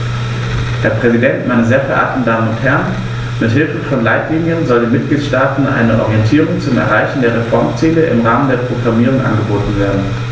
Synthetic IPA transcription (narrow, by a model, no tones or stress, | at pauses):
d̥eːɐpʁ̥ɛzidɛntmʔaɪnəzeːɐfɛɐʔa̰ːk̚tn̩daːmənʊnthɛɐn | mɪthɪlfəfɔnlaɪtliːnjənzɔldeːnmɪt̚ɡ̥liːtʃtaːtn̩ʔa̰ɪnəʔɔ̰ʁiɛntʰiːʁ̞ʊŋt͡sʊmɛ̰ɐʁaɪçn̩deːɐʁ̞efɔɐmt͡siːləʔɪ̰mʁaːməndeːɐpʁ̥oɡʁamiːʁ̞ʊŋʔa̰nɡəboːtn̩veːɐdn̩